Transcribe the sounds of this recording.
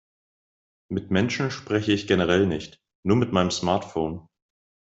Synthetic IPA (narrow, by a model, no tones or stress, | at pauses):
mɪtmɛnʃn̩ʃpʁ̥ɛçəɪçɡ̥enəʁ̞ɛlnɪçt | nuːɐmɪtmaɪnəmsmaɐtfoːn